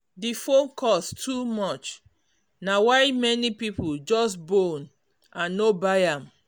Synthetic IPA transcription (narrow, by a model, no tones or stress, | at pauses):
difõnkʰɔstʰumɔt͡ʃ | nawaɪmɛnipipuld͡ʒɔsbon | ʔãnːobajam